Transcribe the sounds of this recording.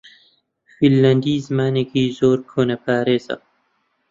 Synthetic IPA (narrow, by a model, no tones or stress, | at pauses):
filːɐnd̪iːzɨmaːneːkiːzoːɾkʰoːnɐpʰaːɾeːzɐ̰